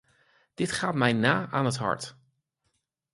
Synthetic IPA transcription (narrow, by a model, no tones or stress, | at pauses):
d̥ɪtχaːt̚mɛjnaːʔaːnətɦɑ̰ɹt